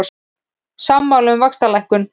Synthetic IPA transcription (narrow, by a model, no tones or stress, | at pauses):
samːawlʏmvakst̪alajhkʏn